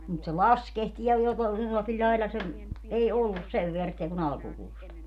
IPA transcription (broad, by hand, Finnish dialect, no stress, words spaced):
mut se lɑskehtiː jɑ joko jolːɑkil lʲɑilɑ se ei olːus seʋ ʋeærtːiæ kun ɑlkukuːstɑ